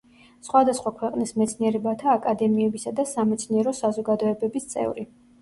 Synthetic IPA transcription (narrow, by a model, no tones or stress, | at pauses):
sχwad̪asχwakʰwɛqʼnismɛt̪sʰniɛɾɛbat̪ʰaːkʼad̪ɛmiɛbisad̪asamɛt̪sʰniɛɾɔsazɔɡad̪ɔɛbɛbist̪sʼɛ̰vɾi